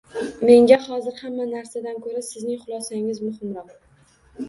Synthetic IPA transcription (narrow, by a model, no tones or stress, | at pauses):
me̞ŋɡʲahɒzɪɾhamːanaɾsad̪ankʰɵɾasɪznɪŋχʊlˠɒsaɪŋɪzmʊhɪmɾɒq̚